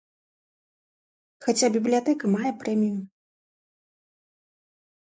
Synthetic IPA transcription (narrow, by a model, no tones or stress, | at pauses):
xat͡sʲabʲiblʲijat̪ɛkɐmajɛpɾɛmʲiju